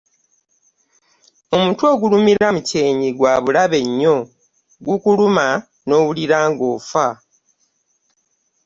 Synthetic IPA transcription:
o̞muːntuo̞ːɡulumiɾamuce̞ːɲiɡwaːβulaβe̞ɲːo̞ | ɡukuluma | no̞ːβuliɾaːŋɡo̞ːfa

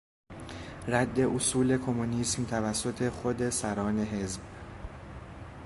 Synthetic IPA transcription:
ɾæd̪ːe̞ʔosuːle̞kʰo̞munismt̪ʰævæsːo̞t̪ʰe̞xod̪e̞sæɾɒːne̞ɦe̞zb

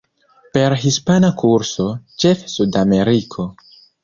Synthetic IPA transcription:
pe̞ɾɦispanakʰuɾso̞t͡ʃe̞fsudame̞ɾikʰo̞

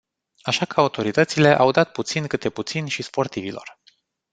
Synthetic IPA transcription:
aʃakəaut̪o̞ɾit̪ət̪sile̞ʔawd̪at̪̚put̪sinʲkɨt̪eput̪sinʲʃispo̞rt̪ivilo̞̰r

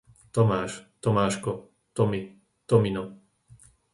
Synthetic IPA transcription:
t̪ɔmaːʃt̪ɔmaːʃkɔ | t̪ɔmi | t̪ɔminɔ

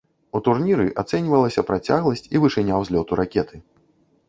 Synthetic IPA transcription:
ut̪urnʲiɾɨʔat̪sɛnʲvɐlˠɐsʲɐpɾat͡sʲaɣlˠɐsʲt͡sʲivɨʂɨnʲawzʲlʲɔt̪uɾakʲɛt̪ʰɨ

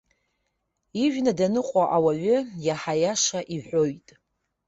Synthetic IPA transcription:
iʒᶣnadanɨqʷʼaʔawaɥʷʏjaħajaʂaʔiħʷᶣojtʼ

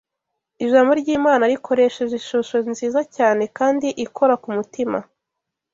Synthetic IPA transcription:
iʒaːmbo̞ɾɟiːmaːnaɾikʰo̞ɾe̞ʃeʒiʃoʃo̞nziːzacaːne̞kaːndiʔikʰo̞ɾakumutima

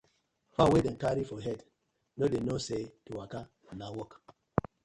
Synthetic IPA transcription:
fawedɛ̃nkaɾifɔɦɛt | nodenosetuwaka | nawɔk

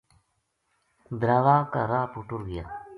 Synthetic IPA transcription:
d̪ɾaːʋaːkaɾaːpuʈuɾɡija̰ː

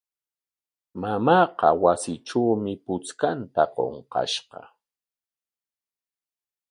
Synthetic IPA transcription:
mamɑːqɑwasɪʈ͡ʂawmɪpʊt͡skant̪aqo̰ɴqɑ̰ʃɢɑ

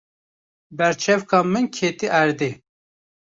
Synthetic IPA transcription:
bɛɾt͡ʃʰɛvkɑːmɨnkʰeːt̪iʔæɾd̪e

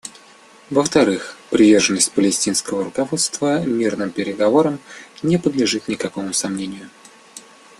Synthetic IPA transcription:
vəft̪ɐɾɨxpɾʲɪvʲe̞rʐɨnːəsʲtʲpəlʲɪsʲtʲinskəvəɾʊkɐvo̞t̪st̪vəmʲirnɨmpʲɪɾʲɪɡɐvo̞ɾəmnʲɪpəd̪lʲɪʐɨt̪nʲɪkɐko̞mʊsɐmnʲenʲɪjʊ

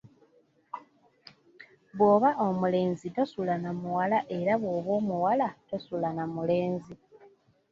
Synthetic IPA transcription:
βwo̞ːβaʔo̞mule̞ːnzitosulanamuwalaʔe̞ɾaβwo̞ːβo̞ːmuwalatosulanamule̞ːnzi

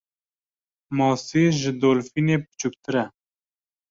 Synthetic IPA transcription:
mɑːseːʒɪd̪oːlfiːneːpɨ̥t͡ʃʰuk̚t̪ʰɨɾɛ

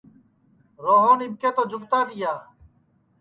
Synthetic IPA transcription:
ɾoːɦoːnɪb̚keːt̪oːd͡ʒʊkt̪aːd̪ɪjaː

